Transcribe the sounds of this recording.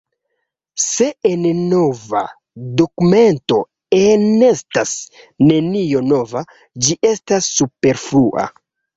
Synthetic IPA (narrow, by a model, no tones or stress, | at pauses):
se̞ennova | do̞kume̞nto̞ | enestas | ne̞nijo̞no̞va | d͡ʒiʔe̞stasːupe̞ɾfluʔa̰